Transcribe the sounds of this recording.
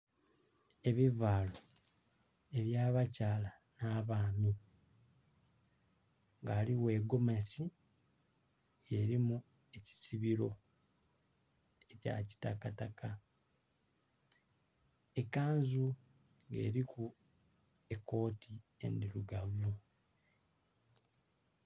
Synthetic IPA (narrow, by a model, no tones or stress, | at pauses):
e̞βivaːlo | e̞βjaːβacaːla | naβaːmi | ŋɡaːliwe̞ɡo̞mesi | eɾimu | e̞ci̥siβiɾo̞ | eca̰ci̥takataka | ekaːnzu | ŋɡe̞̰ːɾiku | ekːo̞ːtʰie̞̰ndiɾuɡaβo